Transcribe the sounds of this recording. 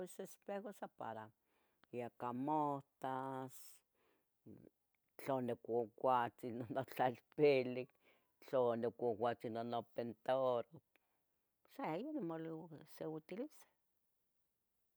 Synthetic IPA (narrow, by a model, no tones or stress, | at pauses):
esespexosapa̰ɾa | jakamoht̪as | t͡ɬonekʷokʷat͡sinonot͡ɬalpilik | t͡ɬonekʷowʷat͡sinonopent̪oɾo | sajonimolsewit̪ilise̥